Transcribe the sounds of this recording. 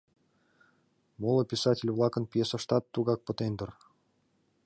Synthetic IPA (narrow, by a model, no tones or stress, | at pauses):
molˠə̆pʲisɑtʲɪlʲvlˠɑkə̆npʲjesə̆ʃt̪ɑt̪ːuɣɑk̚pɤ̆t̪end̪ə̆r